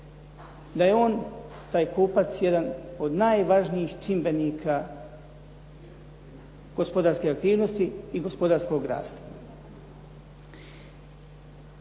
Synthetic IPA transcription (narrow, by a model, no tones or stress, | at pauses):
d̪ajeo̞ːn | t̪aːjkuːpat̪sjed̪ano̞d̪naːjʋaʒnijixt͡ʃimbe̞nikʰa | ɡ̥ospod̪aːɾskeakt̪iːʋno̞st̪iːɡo̞spod̪aɾsko̞ɡɾa̰ːst̪ḁ